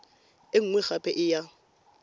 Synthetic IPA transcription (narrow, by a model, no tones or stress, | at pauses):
ɪŋ̩ŋwɛχapʼɛʔɪja